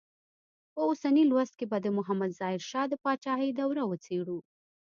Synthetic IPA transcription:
pəosanilwast̪̚kebad̪əmʊɦamad̪z̥ɑɪɾʃɑd̪əpɑt͡ʃɑɦəjd̪awɾawət͡seɽu

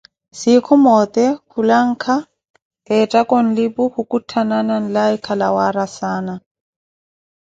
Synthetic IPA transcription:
sikʰɔmɔt̪ʼɛhulaŋ̩kʰa | ɛtʼakʼɔn̩lɪpʊhukʼutʰananan̩laikʰalawaɾasaːna

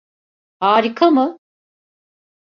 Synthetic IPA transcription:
haːɾikʰamɯ

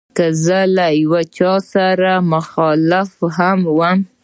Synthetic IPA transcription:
kəzəlajwat͡ʃɑsaɾamʊxɑlɪfhamwəm

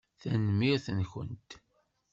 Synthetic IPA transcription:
θænmiʁθənçə̰nt̪

